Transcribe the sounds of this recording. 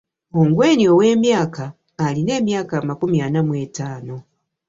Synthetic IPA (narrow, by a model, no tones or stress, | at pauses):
oŋɡwe̞ːniowe̞ːmjaːkaː | line̞ːmjaːkamakumianamwe̞ːtaːno̞